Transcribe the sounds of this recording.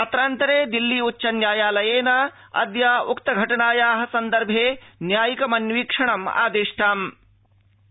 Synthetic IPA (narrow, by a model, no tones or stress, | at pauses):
ɐt̪ɾaːnt̪ɐɾeːd̪ilːiːutːʃɐnjaːjaːlɐjeːnɐ | ɐ̰d̪jaːukt̪ɐɡʱɐʈɐnaːjaːɦɐ̆sɐnd̪ɐɾbʱeːnjaːjikɐmɐnʋiːkʂɐɳɐma̰ːd̪eːʂʈaːm